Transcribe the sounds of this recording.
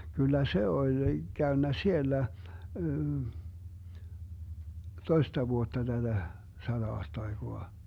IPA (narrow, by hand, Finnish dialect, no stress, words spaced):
kylːæ se olʲ ɡ̊æønːæ sielːæ toistɑ ʋuotːɑ tæd̥æ sɑd̥ɑɑːstɑiɡ̊oɑ